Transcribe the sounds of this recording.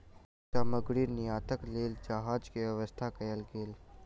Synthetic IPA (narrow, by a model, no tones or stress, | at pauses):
t̪aːməɡɽiːɾnɪjaːt̪əkleːld͡ʒaɦaːd͡ʒkeʋəʋəst̪ʰakɐjəlɡeːl